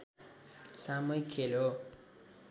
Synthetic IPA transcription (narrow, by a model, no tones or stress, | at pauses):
samʌjkʰelo